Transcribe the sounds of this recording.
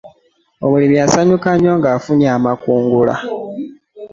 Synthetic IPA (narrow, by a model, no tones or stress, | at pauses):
o̞mulimiasaɲukaɲo̞ːŋɡaːfunjaːmakuːŋɡula̰